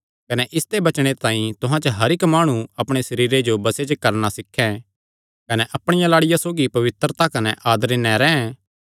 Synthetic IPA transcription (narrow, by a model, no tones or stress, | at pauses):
kɐnɛʔɪst̪ebɐt͡ʃɽ̃et̪ãːĩt̪ʊɦãt͡ʃəɦɐɾɪkmaːɽ̃ũɐpɽ̃esɐɾiːɾed͡ʒobɐset͡ʃəkɐɾnasɪkʰːɛ̃ | kɐnɛʔɐpɽ̃ɪjãlaːɽɪjasoːɡipɐʋɪt̪ɾət̪akɐnɛʔaːd̪ɾenɛ̃ɾɛːɛ̃